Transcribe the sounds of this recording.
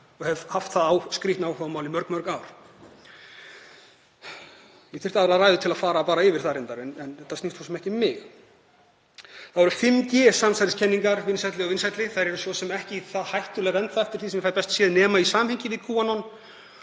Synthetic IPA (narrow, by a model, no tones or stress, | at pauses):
ɔɣhɛvhaft̪θaðaːwskɾit̪naːwhœɣamaːwlɪmœɾkmœɾkaːwɾ̥ | jɛθɪr̥t̪aðɾaðɾaːjðʏt̪ʰɪlaðfaːɾapaːɾaɪvɪɾ̥θaɾɪnt̪aɾɛnɛnɛt̪ʰːasnist̪ʰɔsɛmɛhcɪmːɪx | θaðvɔɾʏfɪmcɛːsamsajt̪ɪscʰɛnːiŋkaɾvɪnsajt̪lɪɔɣvɪnsajt̪lɪθajɾɛɾʏsɔsɛmɛhcɪθaðhajht̪ʏlɛɣaɛnt̪θaɛft̪ɪɾ̥θisɛmjɛfajɾpɛst̪sjɛːðnɛːmaisaːmhɛɲcɪvɪðkʰuːanɔn